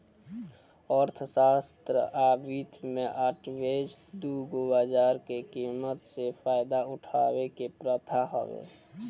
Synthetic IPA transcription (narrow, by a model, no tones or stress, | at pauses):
ɔɾt̪ʰəsast̪ɾəʔabit̪ʰmeʔaʈʋed͡ʒd̪uɡobad͡ʒaɾkekimət̪sepʰaɪd̪aʊʈʰawekepɾət̪ʰaɦo̰ʋḛ